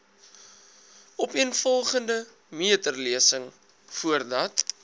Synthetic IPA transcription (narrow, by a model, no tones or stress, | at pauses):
ɔpiənfɔlˠχəndə | miətərliəsəŋ | fuərdɐt